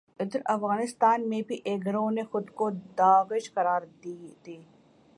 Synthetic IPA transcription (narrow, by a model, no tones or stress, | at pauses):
ɪd̪əɾɐfɣaːnɪst̪aːnmẽbʱiʔeːɡɾõnexʊd̪kod̪aːɣɪʃkɐɾaːɾd̪it̪eː